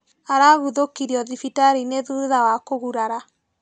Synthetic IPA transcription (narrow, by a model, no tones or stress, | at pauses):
aɾaɣuðokiɾiɔðifitaɾineðuðawakoɣuɾaɾa